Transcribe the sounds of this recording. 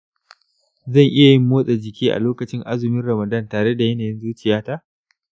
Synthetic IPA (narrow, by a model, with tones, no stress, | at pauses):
zɐ˦˨ŋʔɪ˦ja˨jɪ˦mːoː˦sʼɛ˨d͡ʒɪ˨kʲiː˦ʔa̰˨loː˦kɐ˨t͡ʃɪ˦ŋʔa˦zʊ˨mɪ˦nɽɐ˨mɐ˨dɐ˦˨ntaː˨ɽe˦da˨jɐ˦naː˨jɪ˦nzuː˦t͡ʃɪ˨jaː˦ta˦ʔ